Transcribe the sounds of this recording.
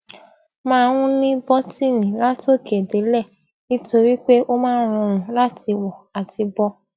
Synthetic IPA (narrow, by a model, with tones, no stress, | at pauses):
mãː˦˧w̃ũ˦nĩ˦bɔ˦ti˦˨nĩ˨la˦to˦˨ke˨de˨˦lɛ˦˨ | nĩ˦to˧ɾi˦k͡pe˦ʔo˦mãː˦ɾ̃ɔ̃˧ɾ̃ũ˨la˦ti˧wɔ˨a˨ti˧bɔ˧